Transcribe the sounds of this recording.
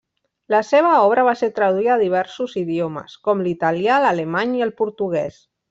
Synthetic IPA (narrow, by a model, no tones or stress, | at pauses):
ləseβ̞əɔβɾəβ̞aseɾt̪ɾəðuiðaːðiβ̞ɛɾsuziðiomə̰skɔmlit̪aljaləlemaɲiəlˠpuɾt̪uɣ̞ɛs